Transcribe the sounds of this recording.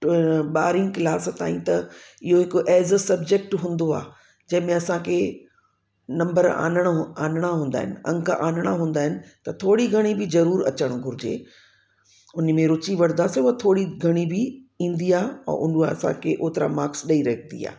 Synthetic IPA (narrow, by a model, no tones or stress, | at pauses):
ɓaːɾɪ̃ŋɡkɪlaːst̪a̰ːĩt̪ɐɪɦoɦɪkʊʔɛːzsɐb̚d͡ʑek̚ʈɦũːnd̪oa̰ː | d͡ʑɐ̃ɦɪ̃mẽɐsãkʰe | nɐ̃mbəɾa̰ːnəɽ̃aːnɽ̃aɦũːnd̪a̰ːɦɪnɪ̆ɐ̰̃ŋkaʔaːnəɽ̃aɦũːnd̪aːɦɪnɪ̆t̪ɐt̪ʰoːɽiɡʱɐɽ̃ibɪzɐɾuːɾɐ̰t͡ɕəɽ̃ɡʱʊɾɪd͡ʑḛː | ʊn̆mẽɾʊt͡ɕiʋɐɽnd̪aseʊɦat̪ʰoːɽiɡʱɐɽ̃ibɪĩːnd̪iaːɛ̰̃ːʔʊnuaɐsã̰kʰeʔoːt̪ɪɾa̰maːksɗɐiɾɐɦnd̪ḭa̰ː